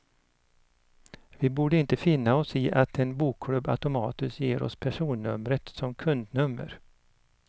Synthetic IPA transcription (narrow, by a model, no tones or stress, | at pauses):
vɪbuːɖəɪnt̪əfɪnːaɔsɪːʔat̪ɛnbuːkʰːlɵbːa̰t̪ʊmɑːt̪ɵsjḛːɾɔ̰spʰæʂuːnːɵ̰mɾət̪sɔmkʰɵnd̪nɵmːə̰ɾ